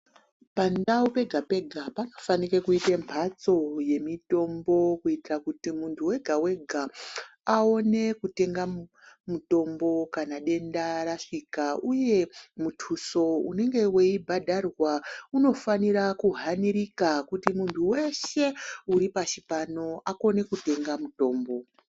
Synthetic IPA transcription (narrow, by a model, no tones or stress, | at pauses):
pandaupe̞ɡʱape̞ɡʱapanofanikekuitembʰʱat͡so̞je̞mito̞mbo̞kuitirakutimuntʰuwe̞ɡʱawe̞ɡʱaao̞ne̞kute̞ŋɡa | muto̞mbo̞kanaɗe̞ndaɾaʂikauje̞mutʰuso̞ṵne̞ŋɡe̞we̞ibʱadʱarwauno̞faniɾakuɦaniɾikakutimuntʰuwe̞ʃe̞uɾipat͡ʃipano̞ʔako̞ne̞kute̞ŋɡamuto̞ːmbo̞